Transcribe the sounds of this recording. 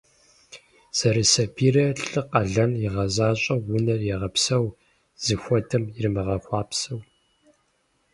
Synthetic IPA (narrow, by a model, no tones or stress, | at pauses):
z̥ɐɾɨsɐpʰiːrɐɬʼɨqɐɮɐnjɪʁɐzaːɕʼɐwːʊnɐrjɛʁɐpsɐw | z̥ɨxʷɔtʰɐmɪrɨmɨʁɐxʷɑːpsɐw